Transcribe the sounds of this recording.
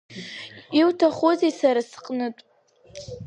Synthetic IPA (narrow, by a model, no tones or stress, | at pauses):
iwtʰaχozesaɾasqʼnɨtʼ